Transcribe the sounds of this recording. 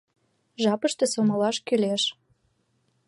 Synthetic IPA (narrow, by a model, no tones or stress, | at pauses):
ʒɑpəʃt̪ĕsomolɑʃkyleʃ